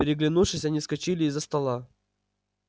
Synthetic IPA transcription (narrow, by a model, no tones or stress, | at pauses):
ɪɾʲɪɡlʲɪnufʂɨsʲɐnʲiskɐt͡ɕilʲɪɪzːəst̪ɐlˠa